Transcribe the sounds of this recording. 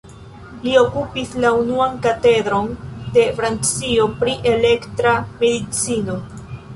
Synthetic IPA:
lio̞kupislaunuankate̞dɾo̞nde̞fɾant͡sio̞pɾiʔe̞le̞ktɾame̞dit͡sino̞

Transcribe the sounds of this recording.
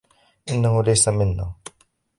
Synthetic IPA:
ʔɪnːahʊlajsamɪnːʊ

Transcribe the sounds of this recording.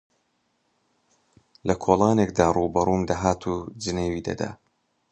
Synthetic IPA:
lɐkʰoːlˠɑːnekd̪aːruːbɐɾuːmd̪aɦaːt̪ʰuːd͡ʒɨneːwiːd̪ɐ̰d̪a̰ː

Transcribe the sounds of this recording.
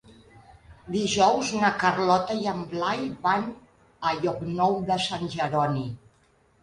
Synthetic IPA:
d̪iʒɔwznəkərlɔt̪əjəmblajβan | əʎɔknɔwðəsanʲʒəɾɔni

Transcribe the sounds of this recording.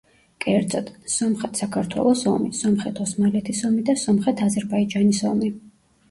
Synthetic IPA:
kʼɛɾd̪zɔt̪ʰsɔmχɛt̪ʰsakʰaɾt̪ʰwɛ̰lˠɔsɔ̰misɔmχɛt̪ʰɔsmalɛt̪ʰisɔmid̪asɔmχɛt̪ʰazɛɾbaid͡ʒanisɔmi

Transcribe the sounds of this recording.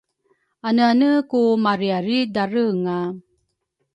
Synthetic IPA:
anəanəkumaɾiaɾidaɾəŋa

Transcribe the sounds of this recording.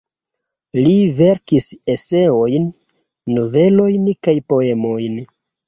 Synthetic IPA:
live̞ɾkise̞se̞o̞jnː | ove̞lo̞jnkajpo̞e̞mo̞jn

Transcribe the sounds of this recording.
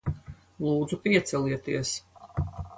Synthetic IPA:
lˠuːd̪zupiɛt̪sɛliɛt̪iɛs

